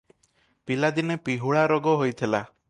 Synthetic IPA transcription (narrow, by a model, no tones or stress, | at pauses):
pilad̪inepiɦuɭaɾɔɡɔɦojt̪ʰila